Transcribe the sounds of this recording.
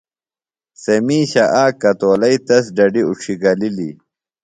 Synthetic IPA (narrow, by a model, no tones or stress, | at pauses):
sɐmiːɕɐʔaːkːɐt̪oːlɐit̪ɐsɖɐɖiuʈ͡ʂʰiɡɐlilḭ